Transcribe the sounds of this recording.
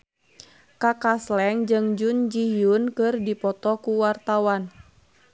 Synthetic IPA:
kakaslɛŋd͡ʒɨŋd͡ʒund͡ʒijunkɨrdipɔt̪ɔkuwart̪awan

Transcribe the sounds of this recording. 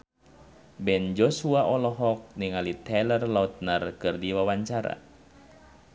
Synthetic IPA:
bɛnd͡ʒɔsuaʔɔlɔɦɔk̚niŋalit̪ʰɛlərlaut̪̚narkɨrdiwawaɲt͡ʃaɾa̰

